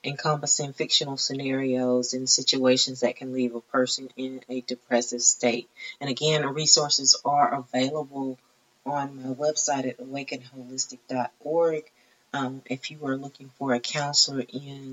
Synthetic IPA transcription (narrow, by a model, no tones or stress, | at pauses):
ʔɨ̃nkʰɑ̃mpɨsɪ̃ŋfɪkʃɨ̃nl̩ˠsɨnɛɹioʊzɨ̃nsɪt͡ʃueɪʃɨ̃nzðɨt̚kʰɨ̃nlivəpʰɜ˞sɨ̃nɪ̃nɨdɨpʰɹ̥ɛsɨv̥steɪt̚ɨ̃nɨɡɛ̃nɹisɔɹsɨzə˞ʔəveɪlˠəbl̩ˠ | ə̃nmaɪwɛb̥saɪɾɨɾəweɪkɨ̃nɦoʊlɪstɨk̚d̥ɑɾ̚ɔɹɡ | mʔɪfjɨwə˞lʊkɪ̃ŋfə˞ɨkʰãʊ̃nsl̩ˠʔɪ̃n